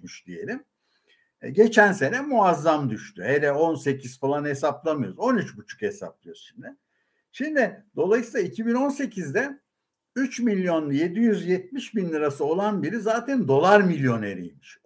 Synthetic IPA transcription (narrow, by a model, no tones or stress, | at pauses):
myʃd̪ije̞̰lʲim | ɟe̞t͡ʃʰænse̞nɛmuazːamd̪yʃt̪ʰyhed̪ɛo̞nse̞cʰiz̥falˠanhe̞saplˠamɯjoɾuzonyt͡ʃbut͡ʃʰu̥khesa̰p̚d̪ˠijoɾʃimd̪ɪ | ʃimd̪ɪd̪̥o̞lˠajsiːlˠaicʰibino̞nse̞cʰizd̪ɛ | yt͡ʃmilʲjo̞nje̞d̪ijyzjɛt̪̚miʃbinːʲiɾasɯo̞lˠanbiɾizaːt̪ʰænd̪o̞lˠaɾmilʲjo̞neɾḭjmiʃ